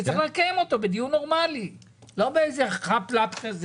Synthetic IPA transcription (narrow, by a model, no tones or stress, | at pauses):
tt͡seχlχlakaemo̞t̪o̞bed̪ijuno̞ʁmali | lo̞beejzeχaplatkaz